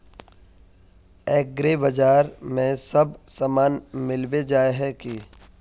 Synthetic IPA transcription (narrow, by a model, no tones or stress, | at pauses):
eːɡɾebɐd͡ʒaːɾmẽsɐbsamaːnmɪlbed͡ʒaːeɦɛki